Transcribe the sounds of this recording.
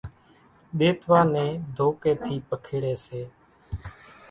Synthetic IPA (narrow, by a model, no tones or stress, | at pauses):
ɗeːt̪ʰʋaːnẽːd̪ʱoːkeːt̪ʰiːpəkʰeːɽeːseː